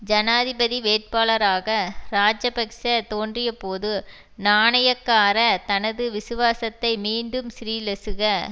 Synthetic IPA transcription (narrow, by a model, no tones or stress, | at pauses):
d͡ʒɐnaːðɪbɐðiʋeːʈ̚paːlɐɾaːɣɐɾaːd͡ʒɐpɐksɐt̪oːndrɪjɐpoːðɯ | naːɳɐjɐkːaːɾɐt̪ɐnɐðɯʋɪsɯʋaːsɐt̪ːɐɪmiːɳɖɯmsɪɾiːlɛsɯɣɐ